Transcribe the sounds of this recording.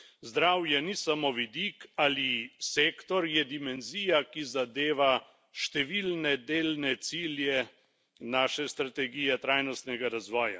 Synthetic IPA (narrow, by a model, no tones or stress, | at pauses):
zd̪ɾawjɛnisamoʋid̪iːkaliseːkt̪ɔɾjɛd̪imɛnziːjakizad̪eːʋa | ʃt̪ɛʋiːlnɛd̪eːlnɛt̪siːljɛ | naːʃɛst̪ɾat̪ɛɡijɛt̪ɾaːjnɔst̪nɛɡaɾazʋɔːja̰